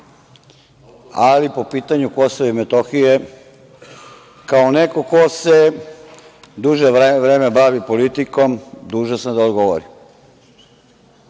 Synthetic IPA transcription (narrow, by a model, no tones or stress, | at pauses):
alipo̞piːt̪aɲuko̞soʋimet̪o̞xije | kaoneko̞ko̞se | d̪uʒeʋɾeːmebaʋipo̞lit̪iko̞md̪uːʒosad̪aod̪ɡo̞ʋo̰ɾi